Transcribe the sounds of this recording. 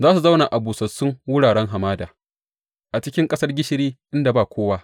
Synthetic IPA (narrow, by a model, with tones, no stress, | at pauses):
zaː˦su˨zɐ˦wna˨ʔa˨buː˨sɐ˨sʊ˦ŋwʊ˦ɽaː˨ɽɛ˦ŋɦa˨maː˦daː˨ | ʔa˨t͡ʃɪ˦kʲɪ˦ŋkʼɐ˦sɐ˦rɡʲɪ˦ʃɪ˦ɾiː˦ʔɪ˦nda˨baː˦˨kʷoː˦waː˦